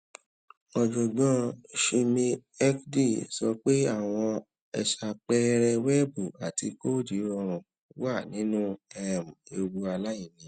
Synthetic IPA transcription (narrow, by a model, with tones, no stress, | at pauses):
ɔ˨d͡ʒɔ˨ɡ͡bã˧˦ʃi˧mĩ˧ɛ˦kdi˦˨sɔ˧k͡pe˦a˦˨w̃ɔ̃˧ | ɛ˧ʃa˧k͡pɛ˦ɾɛ˧wɛ˦bu˦˨a˨ti˧ko˦di˨˦ɔ˧ɾ̃ũ˧ | wa˦˨nĩ˨˦nũ˦ɛ˧˨m˨e˧wu˧a˧la˦ji˦˨nĩ˨